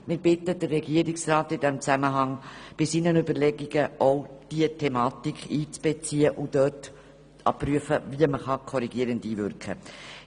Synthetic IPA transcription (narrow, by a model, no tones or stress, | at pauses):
mɪɾb̥ɪtəd̥ərːɛɡiəɾɪksraːtɪdɛmt͡sæməɦɑŋb̥ɪsiːnənʏbəɾlɛɡiɡ̥əʔoʊd̥iətʰɛmɑːtikʰχiːt͡sb̥ɛt͡siːəʔʊd̥œt | ɑ̰pɾyəfəviəməχɑkʰɔɾiɡiəɾəndiːvʏɾkχə̰